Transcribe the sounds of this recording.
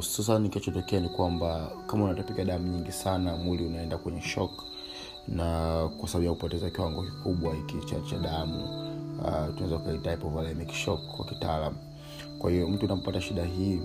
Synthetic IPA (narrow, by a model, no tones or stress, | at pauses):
uu̥sus̬anikiat͡ʃɔtɔkɛanikwambakamaunatɔpikaɗamuɲiŋɡisanamuliunaɛndakwɛɲɛʃɔk | nakwasɓaɓijakupɔtɛzakiwaŋɡɔki̥kuɓwaikit͡ʃa̰t͡ʃaɗamṵ | tunawɛzakukaitaɛpɔvalɛmikʃɔkːwa̰ki̥talamu | kwahijɔm̩tuːnapataʃiɗaɦi